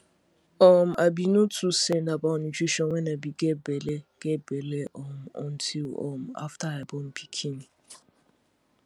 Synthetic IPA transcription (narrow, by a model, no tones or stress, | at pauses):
ɔm̩ʔabinotʰusɛ̃ndabaʊnit͡ʃiʃɔ̃nwʷɛnabiɡebeleɡ̥ebeleʔɔm̩ɔ̰̃n̩tʰilɔ̰m̩a̰ftaabɔm̩pʰi̥kʰini